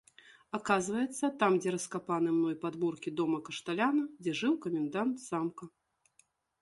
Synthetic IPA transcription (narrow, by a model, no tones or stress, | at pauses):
akazvɐjɛt̪sːɐt̪amd͡zʲɛɾɐskapanɨmnɔjpad̪murkʲid̪ɔmɐkɐʂt̪alʲanɐd͡zʲɛʐɨwkɐmʲɛnd̪ant̪zamkɐ